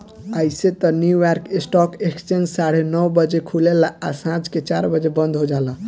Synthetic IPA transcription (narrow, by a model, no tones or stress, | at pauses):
əjset̪ənjujaɾkesʈɔkekst͡ʃend͡ʒsaɽenəwbəd͡ʒekʰulelaasãd͡ʒket͡ʃaɾbəd͡ʒebə̃nd̪ʱɦod͡ʒalə